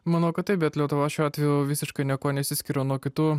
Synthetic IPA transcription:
mɐnɐʊkɐt̪t̪ɐɪp̚bʲɛt̪lʲɛt̪ʊʋɑʃʲuːɑːt̪ʲʋʲɛjuʋʲɪsʲɪʃkɐɪnʲiɛkoːnʲɛsʲɪsʲkʲɪɾoːnuɔkʲɪt̪uː

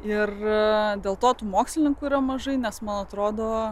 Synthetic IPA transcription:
ɪrd̪ʲeːlˠt̪oːt̪uːmoːksʲlʲɪnʲɪŋkuiːɾɐmɐʒɐɪnʲɛsmɐnɐt̪ɾoːd̪oː

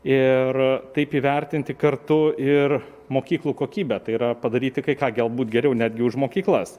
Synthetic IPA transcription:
ɪrt̪ɐɪpiːʋʲɛɾʲt̪ʲɪnʲt̪ʲɪkɐrt̪ʊɪr | moːkʲiːklˠuːkoːkʲiːbʲɛt̪ɐɪiːɾɐpɐd̪ɐɾʲiːt̪ʲɪkɐɪkɑːɡʲɛlˠbuːt̪ɡʲɛɾʲɛʊnʲæːd̪ʲɡʲɪʊʃmoːkʲiːklˠɐs

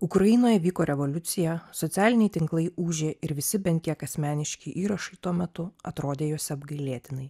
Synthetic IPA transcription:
ʊkɾɐjɪnoːjɛʋʲiːkoːɾʲɛʋɔlʲʊt̪sʲɪjɛsɔt̪sʲæːlʲɪnʲɛɪt̪ʲɪŋklˠɐɪuːʒʲeːɪɾʋʲɪsʲɪbʲɛnt̪̚ʲkʲiɛkɐsʲmʲæːnʲɪʃʲkʲiːʔiːɾɐʃɐɪt̪uɔmʲɛt̪ʊɐt̪ɾoːd̪ʲeːjoːsʲɛɐbɡɐɪlʲeːt̪ʲɪnɐɪ

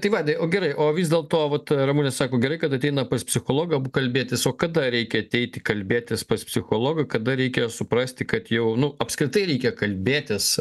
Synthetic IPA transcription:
t̪ɐɪʋɑːd̪ʲɐoːɡʲɛɾɐɪʔoːʋʲɪzʲd̪ʲeːlˠt̪oːʋɐt̪ɾɐmuːnʲɛsɑːkoːɡʲɛɾɐɪkɐt̪ɐt̪ʲɛɪnɐpɐspʲsʲɪxoːlˠoːɡɐbukɐlʲbʲeːt̪ʲɪsoːkkɐd̪ɐɾʲɛɪkʲɛɐt̪ʲɛɪt̪ʲɪkɐlʲbʲeːt̪ʲɪspɐspʲsʲɪxoːlˠoːɡɐkɐd̪ɐɾʲɛɪkʲɛsʊpɾɐsʲt̪ʲɪkɐt̪jɛʊnʊɐpʲskɾʲɪt̪ɐɪɾʲɛɪkʲɛkɐlʲbʲeːt̪ʲɪs

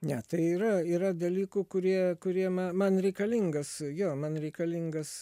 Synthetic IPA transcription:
nʲɛt̪ɐɪiːɾɐiːɾɐd̪ɐlʲiːkuːkʊɾʲiɛkʊɾʲiɛmɐmɐnɾʲɛɪkɐlʲiŋɡɐsjoːmɐnɾʲɛɪkɐlʲiŋɡɐs

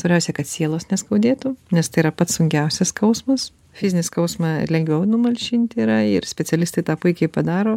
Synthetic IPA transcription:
sʋɐɾʲbʲɛʊsʲɛkɐt̪sʲiɛlˠoːsnʲɛskɐʊd̪ʲeːt̪uːnʲɛst̪ɐɪiɾɐpɐt̪ssʊŋʲkʲɛʊsʲɛskɐʊsmɐs | fʲɪzʲɪnʲɪskɐʊsmɑɪ̰lʲɛŋʲɡʋʲɛʊnʊmɐlʲʃʲinʲt̪ʲiːɾɐɪrsʲpʲɛt͡s̪ʲɛlʲɪst̪ɐɪt̪ɑːpʊɪkʲɛɪpɐd̪ɑːɾoː

